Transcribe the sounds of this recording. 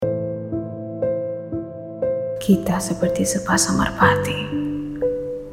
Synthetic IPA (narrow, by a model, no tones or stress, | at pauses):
kʰit̪asəpərt̪isəpasaŋə̰rpat̪i